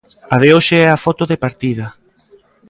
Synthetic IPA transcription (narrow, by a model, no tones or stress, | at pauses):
aðeoʃeɛafɔt̪oðepaɾt̪iðɐ